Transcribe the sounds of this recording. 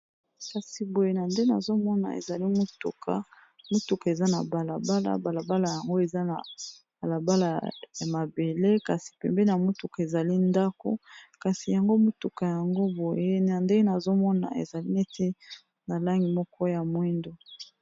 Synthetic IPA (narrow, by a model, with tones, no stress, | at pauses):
ka˨si˨bo˨je˦na˨nde˦na˨zo˦mɔ˦na̰˨ḛ˨za˨li˦mo˦tṵ˨kʰa̰˨ | mo˦tu˨ka˨e˨za˦na̰˨ba˨la˨ba˦la̰˨ba˨la˨ba˦la˨ja˨ŋɡo˦e˨za˦na̰˨ | b̥a˨la˨ba˦la˨ja˨ma˨be˨le˦ka˨si˨pɛ̰˨mbɛ˦na˨mo˦tu˨ka˨e˨za˨li˦nda˦ko̰˦ka˨si˨ja˨ŋɡo˦mo˦tu˨ka˨ja˨ŋɡo˦bo˨je˦na˨nde˦na˨zo˦mɔ˦na̰˨ḛ˨za˨li˦ne˦te˦ | na˨la˦ŋɡi˨mɔ˦kɔ˦ja˨mwɛ˦ndo˨